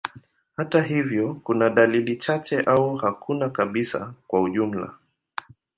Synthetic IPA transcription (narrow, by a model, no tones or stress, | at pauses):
hataɦivjɔkunaɗalilit͡ʃat͡ʃɛʔauhakʰunakaɓisa̰kwauʄum̩la̰